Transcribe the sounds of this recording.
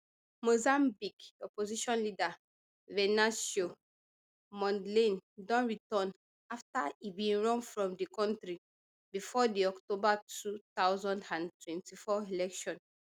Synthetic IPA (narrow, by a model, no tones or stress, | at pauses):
mozãmbikɔpoziʃɔ̃nlida | vɛnasjo | mɔ̃ndlẽndɔ̃nɹitɔ̃n | aftaibĩnɹɔ̃nfɹɔ̃mdikɔ̃ntɹi | bifɔdiɔktobatutawzɔ̃ndãntwɛ̃ntifɔilɛkʃɔ̃n